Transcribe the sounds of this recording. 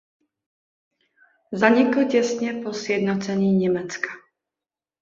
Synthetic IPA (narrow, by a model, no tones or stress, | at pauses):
zaɲɪkl̩cɛsɲɛposjɛd̪not͡sɛɲiːɲɛmɛt͡skḁ